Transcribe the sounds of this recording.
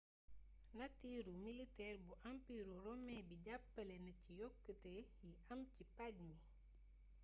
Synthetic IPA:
nɐtiːɾumilitɛːrbuʔampiɾuɾɔmɛbiɟapːɐlenɐcijɔkːətejiʔɐmcipaɟmi

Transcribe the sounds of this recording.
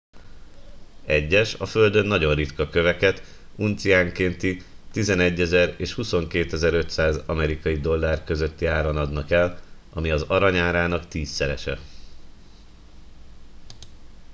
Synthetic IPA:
ɛɟːɛʃɒfø̞ld̪ø̞nːɒɟo̞nrit̪kɒkø̞vɛkɛt̪ | unt̪sijaːŋkent̪it̪izɛnɛɟːɛzɛreːʃhuso̞ŋkeːt̪ɛzɛɾø̞t̪saːzɒmɛɾikɒjid̪o̞lːaːrkø̞zø̞t̪ːiaːɾonɒd̪nɒkɛl | ɒmiɒzɒɾɒɲaːɾaːnɒkt̪iːsːɛɾɛ̰ʃɛ̰

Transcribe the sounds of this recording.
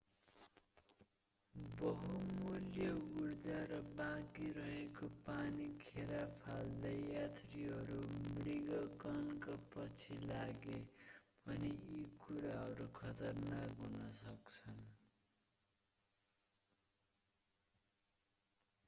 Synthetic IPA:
bʌɦumuljʌurd͡zaɾʌbãɡiɾʌɦekopanikʰeɾapʰald̪ʌjat̪riɦʌɾumriɡʌkʌnkapʌt͡sʰilaɡebʱʌneikuɾaɦʌɾukʰʌt̪ʌrnakɦunʌsʌkt͡sʰʌn

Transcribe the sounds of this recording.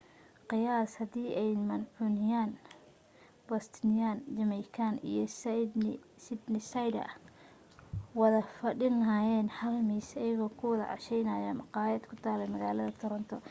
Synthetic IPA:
qɪjaːshɐd̪iːʔɛjmɐnʕunɪjaːn | bɔst̪nɪjaːnd͡ʒɐmɛjkʰanḭjɞs | sɪd̪nɪsɐjdɐ̰ | wɑðɐfɐɗɪnɐɦaːjɛːnħɐlmiːsɐjɐɣɔːkʰʊwɐðɐʕɑ̰ʃɛjnɐːjɔːmɑqɑːjɛːd̪kʰʊt̪ʰaːlɛjmɐɣaːlɐðɐt̪ʰʊɾɐnt̪ʰɔ

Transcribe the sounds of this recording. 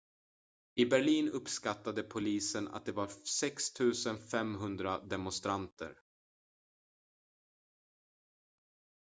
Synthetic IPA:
ɪbæɭiːnɵpskat̪ːad̪əpʰʊliːsəna̰t̪̚d̪ɛvaɾsɛkst̪ʰʉ̟ːsənfɛmɦɵnd̪ɾad̪ɛmʊnst̪ɾant̪ʰə̰ɾ

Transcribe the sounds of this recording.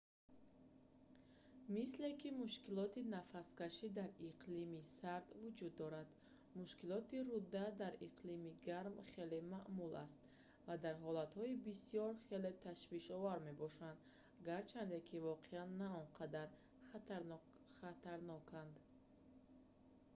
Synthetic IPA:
misle̞kʰimuʃkilɔt̪inafaskaʃid̪aɾiqʰlimisaɾd̪vud͡ʒud̪ːɔɾad̪ | muʃkilɔt̪iɾud̪ːad̪aɾiqlimiɡaɾmχe̞lemaʔmula̰st̪ | vad̪aɾɦɔlat̪hɔibisiɔɾχelet̪ʰaʃviʃɔvaɾme̞bɔʃand̪ | ɡaɾt͡ʃʰand̪ekʰivɔqʰeanːaɔnqʰad̪aɾ | ɾ | χat̪ʰaɾnɔkʰand̪

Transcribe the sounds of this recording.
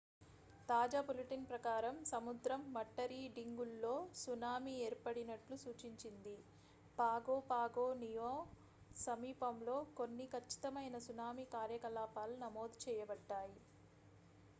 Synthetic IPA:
t̪aːd͡ʒaːbuliʈinpɾɐkaːɾɐmsɐmud̪ɾɐmːɐʈːɐɾiːɖiŋɡulːo̞ːsunaːmieːɾpɐɽinɐʈlusuːt͡ʃiɲt͡ʃind̪i | paːɡoːpaːɡoːnijoː | sɐmiːpɐmlo̞ːkonːikʰɐt͡ʃːi̥t̪ɐmɐjnɐsunaːmikaːɾjɐkɐlaːpaːlunɐmoːd̪t͡ʃɛːjɐbɐɖːaːji

